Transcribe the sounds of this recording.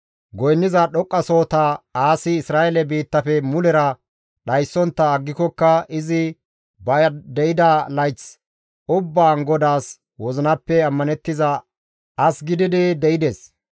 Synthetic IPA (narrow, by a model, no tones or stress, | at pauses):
ɡɔjnːɪzɐɗɔkʼːɐso̞ːt̪ɐaːsɪːsɾaːʔɛlɛbiːt̪ːɐfɛmʊlɛɾɐ | ɗɐjsːɔnt̪ːɐːɡːɪkɔkːɐɪzɪ | bɐjɐd̪ɛjɪd̪alɐjt͡s | ʊbːaːŋɡɔd̪aːs | wɔzɪnɐpːɛɐmːɐnɛt̪ːɪzɐ | ʔɐsɡɪd̪ɪd̪ɪd̪ɛʔɪd̪es